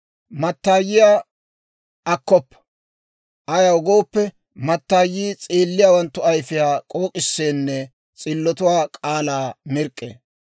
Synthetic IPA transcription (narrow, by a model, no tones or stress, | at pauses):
mɐt̪ːaːjːɪjaː | ʔɐkːɔpːɐ̥ | ʔɐjɐʊɡoːpːɛ | mɐt̪ːaːjiːt͡sʼeːlːɪjaːwɐnt̪ːʊɐjfɪjaːkʼoːkʼɪsːeːnːɛ | t͡sʼɪlːɔt̪ʊwaːkʼaːlaːmɪɾkʼːḛː